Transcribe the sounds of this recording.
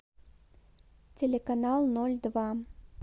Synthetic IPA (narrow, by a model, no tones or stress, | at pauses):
t͡sʲelʲɛkanalˠnɔlʲd̪va